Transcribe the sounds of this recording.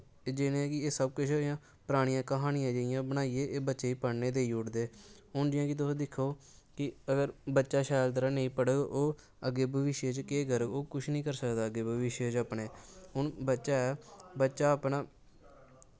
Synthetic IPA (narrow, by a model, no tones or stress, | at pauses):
d͡ʒɪnẽɛːkɪeːsəb̚kʊt͡ʃʰjãː | pɾaːɽ̃ijãːkəɦaːnɪjãːd͡ʒeɪjãːbəñaːiːeːʔeːbətːʃeːiːpəɽneːd̪eːiːʊɽd̪eː | ɦʊnd͡ʒɪãːkit̪ʊːsd̪ɪkʰːoː | kɪəɡəɾbətːʃaːʃaːjlt̪əɾãːnəĩːpəɽəɡʔoː | əɡːeːbʱəʋɪʃjeːt͡ʃkeːɡəɾoːkʊt͡ʃʰnĩːkəɾsəkd̪aːəɡeːbʱəʋɪʃeːt͡ʃaːpɳeːɦʊɳbətːʃaːɛːbətːʃaːəpnaː